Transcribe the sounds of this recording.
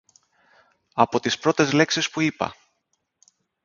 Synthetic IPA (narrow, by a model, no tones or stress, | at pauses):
ɐpo̞t̪ispɾo̞t̪e̞zle̞ksispuipɐ̰